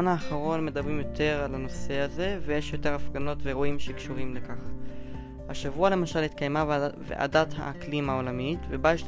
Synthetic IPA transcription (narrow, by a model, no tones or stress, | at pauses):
anaːχaʁo̞nme̞d̪abʁimjo̞tʰe̞ʁalano̞se̞aze̞veje̞ʃjo̞te̞ʁafɡano̞tveʁoimʃekʃuʁimlekaχ | haʃavuale̞maʃalhit̪̚kajmavvḛʔa̰datha̰klimao̞lamitvebajeʃ